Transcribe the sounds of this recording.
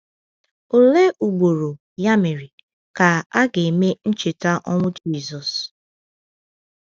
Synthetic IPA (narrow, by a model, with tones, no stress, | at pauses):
o˨le˦ʔu˨ɡ͡bo˨ɾo˨ | ja˦me˨ɾi˨ | ka˨a˦ɡe˨me˦n̩˦t͡ʃɪ˨ta˦ʔɔ˦ŋʊ˦d͡ʒi˦˨zɔ˨s